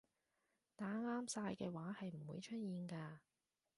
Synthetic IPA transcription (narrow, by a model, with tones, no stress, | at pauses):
t̪aː˨˥ŋaː˥msaː˧jkɛː˧waː˨˥hɐ˨jm̩˨˩wuː˨˧jt͡ʃʰɵ˥t̚jiː˨nkaː˧